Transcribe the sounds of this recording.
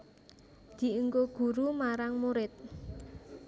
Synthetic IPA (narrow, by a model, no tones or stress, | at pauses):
d̪̥i̤ʔuŋɡoɡ̥ṳɾumaɾaŋmuɾɪt̪̚